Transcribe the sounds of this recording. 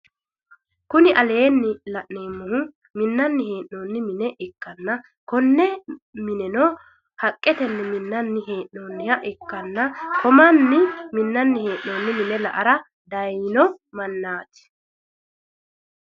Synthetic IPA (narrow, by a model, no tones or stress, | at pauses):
kʊnɪʔɐle̞ːnːɪlɐʔneːmːʊhʊ | mɪnːɐnːɪheːʔoːnːɪmɪnɛʔɪkːɐnːɐ | kɔnːɛmɪnɛnɔ | hɐkʼːɛt̪ɛnːɛmɪnːɐnːɪɦeːʔːoːnːɪhɐʔɪkːɐnːɐkɔmɐnːɪmɪnːɐnːɪheːʔːoːnːɪmɪnɛlɐʔɐɾɐ | d̪ɐjɪnɔmɐnːaːt̪ɪ̥